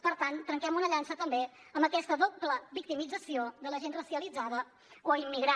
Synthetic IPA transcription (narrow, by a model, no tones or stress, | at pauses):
pəɾt̪ant̪ɾəŋkɛmunəʎansət̪əmbe | əmbəkɛst̪əðubləβik̚t̪imid͡zəsiod̪ələʒenrəsiəlid͡zaðə | kwəimːiɣɾa